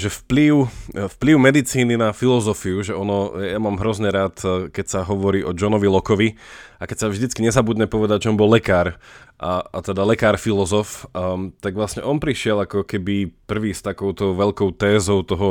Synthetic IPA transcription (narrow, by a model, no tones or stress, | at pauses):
ʒɛfpliʊfpliʊmɛd̪it͡siːninafilɔzɔfiuʒɛɔnɔjamaːmɦɾɔzɲɛɾaːt̪kɛcsaɦɔʋɔɾiːʔɔd͡ʒɔnɔʋilɔkɔʋiakɛcsavʒd̪it͡skiɲɛzabud̪ɲɛpɔʋɛd̪aɟʒɛɔnbɔlːɛkaːɾʔaat̪ɛd̪alɛkaːɾfilɔzɔft̪aɡʋlasɲɛʔɔnpɾiʃɪɛlakɔkɛbipr̩ʋiːst̪akɔʊt̪ɔʊʋɛʎlkɔʊt̪ɛːzɔʊt̪ɔɦɔ